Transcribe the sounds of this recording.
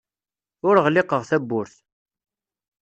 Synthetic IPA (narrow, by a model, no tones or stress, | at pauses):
ʊɾəʁlɪqəʁθæbːʊɾθ